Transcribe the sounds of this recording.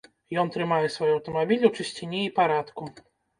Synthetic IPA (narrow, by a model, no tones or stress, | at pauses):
jɔnt̪ɾɘmajɛsfɔjuawt̪ɔmɔbʲilʲit͡ʂɛɕt͡ɕeɲʲɛipaɾat̪ku